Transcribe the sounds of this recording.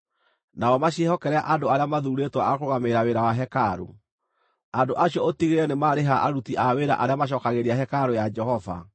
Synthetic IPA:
naɔmaɕehɔkɛɾɛaʔandoaɾeamaðuɾetwaakoɣameɾaweɾawaɦɛkaɾo̰ | andoʔaɕiɔotiɣeɾɛnemaːɾeɦaʔaɾutiʔaweɾa̰ʔaɾeamaɕ̬ɔːkaɣeɾiaɦɛkaɾojad͡ʒɛhɔva̰

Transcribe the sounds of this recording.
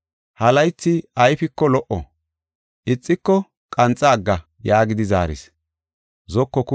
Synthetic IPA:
hɐlɐjt͡sːɪɐjfɪkːɔlɔʔɔ̰ | ʔɪt͡sʼːɪkːɔ | kʼɐnt͡sʼːaːɡːɐ | jaːɡɪd̪ɪza̰ːɾɪ̰s | zɔkːɔkʊ

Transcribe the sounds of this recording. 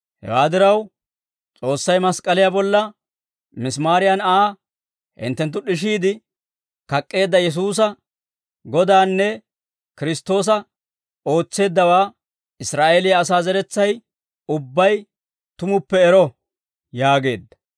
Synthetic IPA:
hɛ̰waːd̪ɪɾɐw | t͡sʼo̞ːsːɐjmɐskʼɐlɪjabɔlːɐ | mɪsmaːɾɪjɐnaː | hɪ̰nt̪ːɛnt̪̬ːʊɗɪʃ̬iːd̪ɪ | kɐkʼːe̞ːd̪ːɐjɛs̬uːs̬ɐ | ɡɔd̪aːnːɛ | kɪɾɪst̪ːo̞ːs̬ɐ | o̞ːt͡sːe̞ːd̪ːɐwaː | ɪsɾaːʔeːlɪjɐːs̬aːzɛɾɛt͡sːɐj | ʊbːɐj | t̪ʊmʊpːɛːɾɔ | jaːɡe̞̰ːd̪ːɐ̥

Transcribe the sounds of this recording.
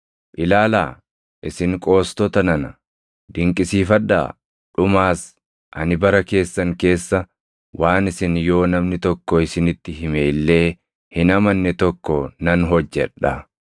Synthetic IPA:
pʼɪlaːla̰ː | ʔɪsɪŋkʼo̞ːst̪ɔt̪ɐnɐnɐ | d̪ɪŋkʼɪsiːfɐᶑa̰ː | ᶑʊmaːs | ʔɐnɪbɐɾɐke̞ːsːɐŋke̞ːsːɐ | waːnɪsɪnjo̞ːnɐmnɪt̪ɔkːɔɪsɪnɪt̪ːɪɦɪme̞ːlːe̞ː | hɪnɐmɐnːɛt̪ɔkːɔnɐnɦɔd͡ʒːɛ̰ᶑːɐ

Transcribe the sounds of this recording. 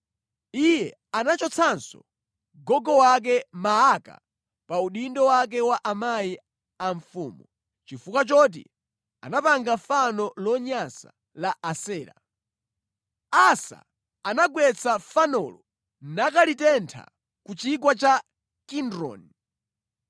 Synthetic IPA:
ijɛ | anat͡ʃɔt͡sʰansɔ̰ | ɡɔɡɔwak̬ɛmaaka̰ | pauɗindɔwak̬ɛwaʔamaji | aɱfuːmu | t͡ʃifukat͡ʃɔt̬ḭ | a̰napaŋɡafanɔlɔɲasa | laʔasɛːɾa̰ | asa̰ | anaɡwɛt͡sʰafanɔ̰lɔ | nakalitɛntʰa̰ | kut͡ʃikwat͡ʃa | kindɾɔ̰ni

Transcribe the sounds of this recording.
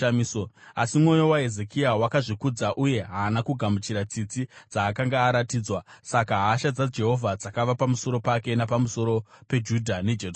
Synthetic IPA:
misoasimwo̞jo̞waɦe̞ze̞kiawakaʐikud͡zaʔuje̞ɦaːnakuɡʱamut͡ʃiɾat͡sit͡sid͡zaːkaŋɡaːɾatiːd͡zwasakaɦaːʃad͡zad͡ʒe̞ɦo̞vʱad͡zakaʋapamuso̞ɾo̞pake̞napamuso̞ɾo̞pe̞d͡ʒudʱane̞d͡ʒe

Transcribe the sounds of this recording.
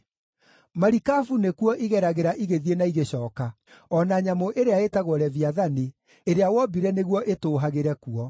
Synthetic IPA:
maɾikafunekuɔʔiɣɛɾaɣeɾaʔiɣeðienaiɣeɕɔːka | ɔnaɲamoʔeɾeaetaɣwɔɾɛviaðane | eɾeawɔbiɾɛneɣwɔʔetoːɦaɣeɾɛkuɔ

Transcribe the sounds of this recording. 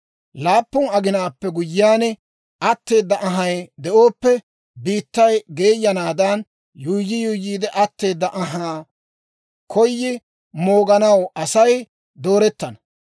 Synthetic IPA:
laːpːʊnɐɡɪnaːpːɛɡʊjːɪaːnɛ | ʔɐt̪ːe̞ːd̪ːɐʔɐɦɐjd̪ɛʔo̞ːpːɛ | biːt̪ːɐjɡe̞ːjːɐnaːd̪ɐn | juːjːɪjuːjiːd̪ɛʔɐt̪ːe̞ːd̪ːɐʔɐɦaː | kʰɔjːɪ | mo̞ːɡɐnɐwɐsɐj | d̪oːɾɛt̪ːɐnɐ

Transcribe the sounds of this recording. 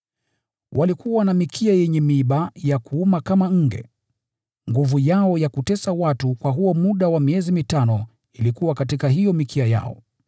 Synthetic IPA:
wʔalikuwanamikʰiajɛɲɛmiɓajakuumakamaŋ̩ɡɛ̰ | ŋɡuvujaɔjakutɛsawatukwaɦuɔmuɗawamiɛzimitanɔ | ilikuwakatikaɦijɔmikʰiaja̰ɔ̰

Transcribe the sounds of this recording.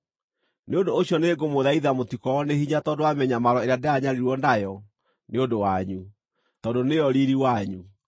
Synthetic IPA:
neondoːɕjɔneɡomoðaiðamotikɔɔnehiɲatɔndoamɛɲamaɾɔeɾjadeaɲaɾiɾwɔndajɔ | neondowaɲu | tɔdonejɔɾiɾiwaɲu

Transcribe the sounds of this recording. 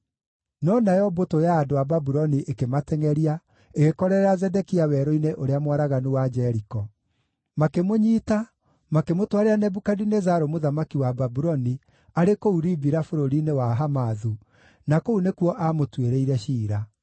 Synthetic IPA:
nɔnajɔbotojaːdoababuɾɔniʔekematɛŋɛɾia | eɣekɔɾɛɾɛazɛdɛkiawɛɾɔineʔoɾeamwaɾaɣanuwad͡ʒɛɾikɔ | makemoɲiːta | makemotwaɾeanɛbukadinezaɾomoðamakiwababuɾɔni | aɾekouɾibiɾafoɾoɾinewaɦamaðu | nakounekuɔʔamotweɾeiɾɛʃiːɾa

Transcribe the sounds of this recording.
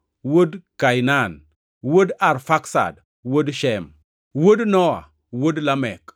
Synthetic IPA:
wodkajnan | wodaɾfaksa̰d | wodʃɛm | wodnɔwa̰ | wodlamɛk

